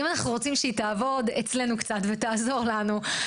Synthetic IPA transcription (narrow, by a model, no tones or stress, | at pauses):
imanaχnuʁo̞t͡simʃeit̪aːvo̞det͡sle̞nukt͡sat̪vetaːzo̞ʁlanu